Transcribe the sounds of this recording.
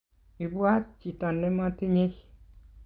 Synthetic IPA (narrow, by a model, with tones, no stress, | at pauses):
i˨bwa˦t̚t͡ʃi˨tɔ˨nːe˦mɔ˦ti˦ɲe˦